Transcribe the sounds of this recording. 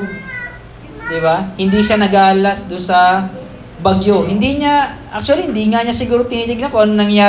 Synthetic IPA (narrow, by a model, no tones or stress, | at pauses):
d̪ɪbahɪnd̪iʃanɐɡaːʔɐlasd̪ʊnsɐ | bɐɡjo̞ɦɪnd̪iɲaʔak̚t͡ʃʊɐlihɪnd̪iːŋaɲasɪɡuːɾo̞t̪ɪniːnɪɡ̚nɐkoʔɐnnɐŋjaː